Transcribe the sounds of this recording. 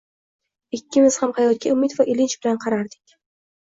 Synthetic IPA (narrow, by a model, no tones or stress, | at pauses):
ɪkʲːɪmɪz̥hamhajɒt̪̚kʲaʊmɪt̪vaʔɪlɪnt͡ʃbɪlanqʰɑɾaɾd̪ɪkʲ